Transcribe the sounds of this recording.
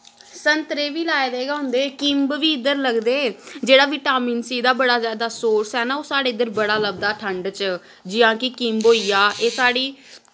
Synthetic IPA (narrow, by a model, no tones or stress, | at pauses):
sənt̪ɾeːʋiːlaːed̪eːɡãːʊnd̪eːkɪmbʋiːɪd̪əɾləɡd̪eːd͡ʒeːɽaːʋɪʈaːmiːnsiːd̪aːbəɽaːzjaːd̪aːsoːɾsɛːnaːoːsaːɽeːɪd̪əɾbəɽaːləb̚d̪aːʈʰəɳɖt͡ʃ | d͡ʒɪjãːkɪkimbɦoːiːaːʔeːsaːɽiː